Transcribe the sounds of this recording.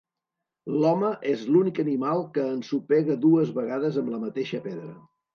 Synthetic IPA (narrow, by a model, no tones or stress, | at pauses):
lɔməʔezlunikənimalˠkəːnsupɛɣəðuəzβəɣaðəzəmləmət̪eʃəpɛðɾə